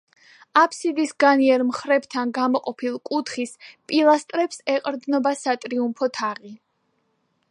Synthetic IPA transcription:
apʰsid̪isɡaniɛɾmχɾɛbt̪ʰanɡamɔqʼɔpʰilˠkʼut̪ʰχispʼilˠast̪ʼɾɛpsɛqʼɾd̪nɔbasat̪ʼɾiumpʰɔt̪ʰaʁi

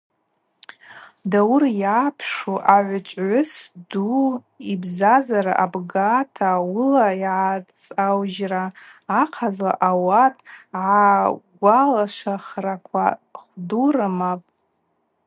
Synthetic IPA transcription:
dawrjaːpʰʂuʔaʕʷʊt͡ʃʷʼʕʷʊsdu | ibzazaɾa̰ʔabɡatʰaulaiʕat͡sʼawʒraːqʰazla̰ʔawatʼʕaɡʷalaʂaχrakʷʰa̰χdurɨmapʼ

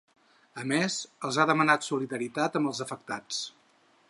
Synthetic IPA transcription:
əmezəlˠzaðəmənat̪suliðəɾit̪at̪əmbəlˠzəfək̚t̪a̰t͡s

